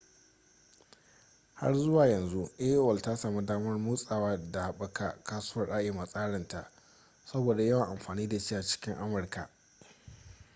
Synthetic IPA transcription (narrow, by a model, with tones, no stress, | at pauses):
ha̰˦rzʊ˦waː˨jɐ˨nzu˦ʔeː˦ʔo˦ɐ˨lta˦saː˨mu˦daː˦mɐ˦rmuː˦sʼaː˨waː˦da˨ɓɐ˦ka˨kaː˦sʊ̥ː˦wɐ˨rʔa˦ʔeː˨ma˨sʼaː˦ɽɐ˨nta̰˨ʔ | sɐ˦boː˨da˨jɐ˦wɐ˨ŋʔa˨mɸaː˨niː˦da˨t͡ʃiː˦ja˨t͡ʃɪ̥˦kʲɪ˦ŋʔa˦mɐ˨rka̰˨